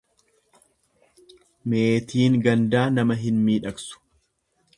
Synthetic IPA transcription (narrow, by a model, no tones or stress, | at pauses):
meːt̪ʰiːŋɡɐnd̪aːnɐmɐɦɪnmiːᶑɐksʊ̥